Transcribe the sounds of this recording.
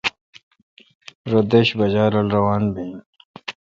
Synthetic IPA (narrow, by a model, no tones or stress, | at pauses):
ɾod̪eɕbɐd͡ʑaːɾɐlɾɐwaːnbi